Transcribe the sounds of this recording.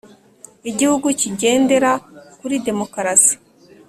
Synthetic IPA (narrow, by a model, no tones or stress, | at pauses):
iɟihuɡuciɟe̞ːnde̞ɾakuɾide̞mo̞kaɾasi̥